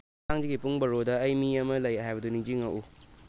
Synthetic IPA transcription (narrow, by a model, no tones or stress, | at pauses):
aŋd͡ʒiɡipuŋbɐɾodɐːjmiɐmɐlɐjɦajbɐduniŋd͡ʒiŋɐʔu